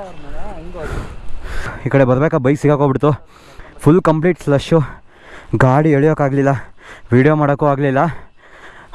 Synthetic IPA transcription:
iːkɐɽebɐɾbeːkabɐjksiɡaːkoːbiɽt̪ːu | pʰulːkɐmpliːʈslɐʂu | ɡaːɽieɭijoːkaːɡlilːɐʋiːɽijomaːɽokuaːɡlilːɐ

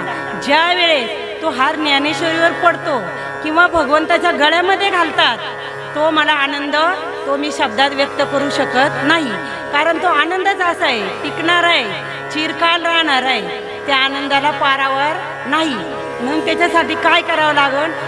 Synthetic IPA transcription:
d͡ʑjaʋeɭe | t̪oɦaɾnjaneɕəɾiʋəɾpəɽt̪o | kĩw̃ʋabʱəɡʋənt̪at͡ɕjaɡʱəɭjaməd̪ʱːjeɡʱalt̪at̪ː | oməlaːnənd̪ə | t̪omiːɕəb̚d̪at̪ʋjək̚t̪əkəɾuɕəkət̪naɦi | kaɾəɳt̪oanənd̪ət͡səsaeʈikɳaɾae | t͡ɕiɾkalɾaɦɳaɾae | t̪jaːnənd̪alapaɾaʋəɾ | naɦi | m̤əːɡt̪jat͡ɕasaʈiːkajkəɾaʋəlaɡəːn

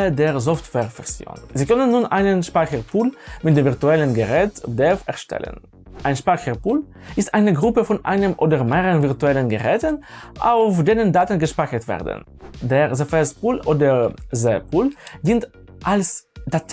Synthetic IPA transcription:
ədeːɐzɔftv̥ɛːʁfɛsjo̰ːnziːkœnənːuːnʔaɪnənʃpaɪçəʁpʰuːlmɪtdeːmviʁtuɛlənɡəʁɛːtdɛfɛ̰ɐʃtʰɛ̰lə̰n | ʔaɪnʃpaɪçəʁpuːl | ʔɪstʔaɪnəɡʁʊpəfɔnʔa̰ɪnəmʔoːdɐʁmeːʁəənvɪʁtuɛlənɡəʁɛːtənʔa̰ʊfd̥eːnəndaːtn̩ɡəʃpaɪçətv̥ɛ̰ːɐdə̰n̩ | deːʁzəfɛspuːlʔoːdəzɛpʰuːldiːnt | ʔalsd̥at

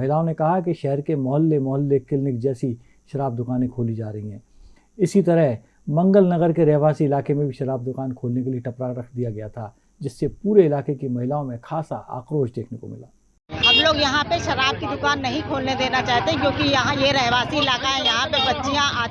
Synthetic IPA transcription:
ɦɪlaːõnekɐɦakeʃɛɦəɾkemɔɦəlːemɔɦəlːekɪlnɪkd͡ʒɛːsi | ʃɐɾaːb̚d̪ʊkaːnẽkʰoːlid͡ʒaːɾɐɦiɦɛ̃ː | ɪsit̪ɐɾəɦ | mɐ̃ŋɡəlnɐɣəɾkeɾɛːɦʋaːsiɪlaːkemẽbʱiʃɐɾaːb̚d̪ʊkaːnkʰoːlnekelieʈɐpɾaɾɐkʰd̪ijaɡɐjat̪ʰa | d͡ʒɪsːepuːɾeɪlaːkekimɐɦɪlaːõmẽxʰaːsaʔa̰ːqɾoːʃd̪eːkʰneko̰mɪ̰la̰ː | ɐbloːɡjɐɦãpeʃɐɾaːb̚kid̪ʊkaːnːɐɦĩkʰoːlned̪eːnat͡ʃaːɦt̪ẽkjõːkijɐɦãjeɾɛɦʋaːsiɪlaːkaɦɛjɐɦãpebɐtːʃijãʔaː

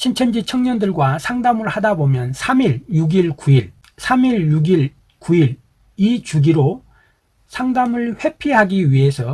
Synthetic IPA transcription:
ɕʰint͡ɕʰʌnd͡ʑit͡ɕʰʌŋɲʌndɯɭɡwasʰaŋdamɯɭhadabomjʌnsʰamiɭjuɡiɭkuiɭ | sʰamiɭjuɡiɭ | kuiɾ | it͡ɕuɡiɾo | sʰaŋdamɯɭɸwe̞pʰiɦaɡiɥiɦe̞sʰʌ

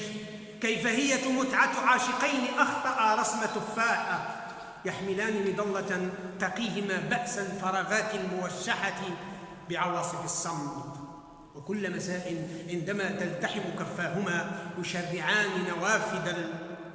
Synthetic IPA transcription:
kajfahɪjːamʊt̪ʕat̪ʕaːʃɪqɑjnɪʔɑxt̪ˤɑʔɑɾˤɑsmat̪ʊfːaːħa | jaħmɪlaːnɪmɪd̪ˤɑlːɑt̪ɑqiːhɪmaːbaʔsalfɑɾˤɑːɣaːt̪ɪlmʊwaʃːaħat̪ | bɪʕɑwɑːsˤɨfɑsːɑmt̪ | wɪkʊlːmasaːʔɪlʕɪnd̪amat̪alt̪aħɪmʊkafːaːɦʊmaːwɪʃarːɪʕaːnɪnawaːfɪd̪a

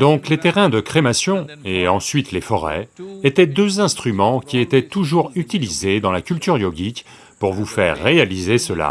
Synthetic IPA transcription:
d̪ɔ̃klet̪eʁɛ̃d̪əkχemasjɔ̃eɑ̃sɥit̪lefɔʁɛ̰et̪ɛd̪øzɛ̃st̪χymɑ̃kʲiet̪ɛt̪uʒuʁyt̪ilized̪ɑ̃lakʲylt̪yʁjɔɡʲik | puʁvufɛʁːealizesəla̰

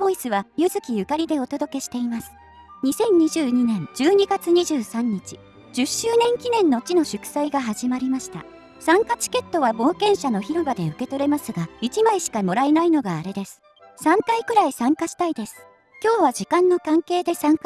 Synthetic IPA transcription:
bo̞isɨβajɯ̟zɨkʲijɯ̟kaɾʲid̪e̞ot̪o̞d̪o̞ke̞ɕi̥t̪e̞imasɨ̥ | ɲ̟isẽ̞ɲ̟ɲiʑɨːɲ̟inẽ̞ɲd͡ʑɨːɲ̟iɡat͡sɨɲ̟iʑɨːsãɲ̟ːit͡ɕi̥ | d͡ʑɨɕːɨːnẽ̞ŋkʲinẽ̞nːo̞t͡ɕino̞ɕɨkɯ̟̥saiɡaɦaʑimaɾʲimaɕi̥t̪a̰ | sãŋkat͡ɕi̥ke̞t̪ːo̞βabo̞ːkẽ̞ɰ̃ɕano̞çiɾo̞bad̪e̞ɯ̟ke̞t̪o̞ɾe̞masɨɡait͡ɕimaiɕi̥kamo̞ɾainaino̞ɡaːɾe̞d̪e̞sɨ̥ | sãŋkaikɯ̟ɾaisãŋkaɕi̥t̪aid̪e̞sɨ̥ | kʲo̞ːβad͡ʑikãnːo̞kãŋke̞ːd̪e̞sãŋka

